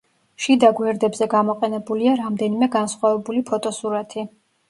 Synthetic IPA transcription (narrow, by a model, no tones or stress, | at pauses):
ʃid̪aɡwɛɾd̪ɛbzɛɡamɔqʼɛnɛbuliaɾamd̪ɛnimɛɡansχwavɛbulipʰɔt̪ʼɔsuɾat̪ʰi